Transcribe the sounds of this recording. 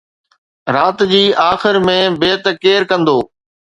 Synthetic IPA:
ɾaːt̪d͡ʑiːʔaːxɪɾmẽbeːt̪keːɾkə̃nd̪oː

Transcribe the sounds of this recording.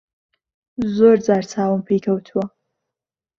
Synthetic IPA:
zoːɾd͡zaːɾt͡sʰaːwəmpʰejkʰɐwt̪ʰuwɐ

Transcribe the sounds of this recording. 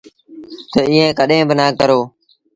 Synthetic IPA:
t̪əiːẽːkəɗẽːbənaːkəɾoː

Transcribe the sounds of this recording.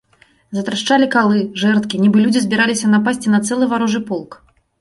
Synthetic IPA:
zɐt̪ɾaʂt͡ʂalʲikalˠɨʐɛrt̪kʲinʲibɨlʲudd͡zʲizʲbʲiɾalʲisʲɐnapasʲt͡sʲinɐt̪sɛlˠɨvaɾɔʐɨpɔlˠk

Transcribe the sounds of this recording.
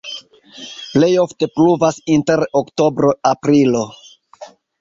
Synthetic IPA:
ple̞jo̞fte̞pluvasinte̞ɾokto̞bɾo̞apɾilo̞

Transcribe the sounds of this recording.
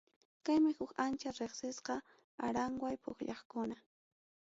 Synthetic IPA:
kajmɪhʊkant͡ʃaɾeχsɪsqɑ | aɾaŋwajpʊ̰xʎɑχkʊna

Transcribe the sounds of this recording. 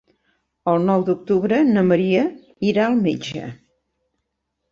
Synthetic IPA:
əlˠnɔwd̪uk̚t̪uβɾənəməɾiə | iɾaəlˠmed͡ʒə̰

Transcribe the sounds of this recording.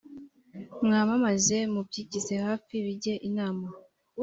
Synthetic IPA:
mŋaːmamaze̞mubɟiːcize̞haːfiβiɟe̞ʔinaːma

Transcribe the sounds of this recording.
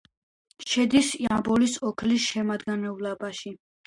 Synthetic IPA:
ʃɛd̪isiambɔlisɔkʰlisʃɛmad̪ɡanɛuvlabaʃi

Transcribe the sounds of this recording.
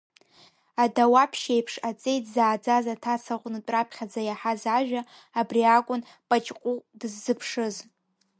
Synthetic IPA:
adawapʰʃejpʰʂat͡sʼe̞jtʰʼzaːd͡zazatʰasaχʷʼnɨtʼrapʰχʲad͡zajaħazaʒᶣaː | briakʷʼʊn | pʼat͡ʃʼqʷʼudɨzːɨpʰʂɨz

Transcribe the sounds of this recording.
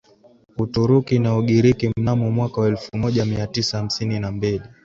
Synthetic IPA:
utuɾukinaɔɠiɾikim̩namɔmwakawaɛlfumɔʄamiatisaːm̩sininambili

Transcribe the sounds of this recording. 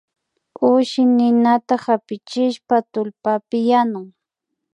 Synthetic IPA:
ʊʃɪnɪnat̪ahapɪt͡ʃɪʃpat̪ʊlpapɪjanʊŋ

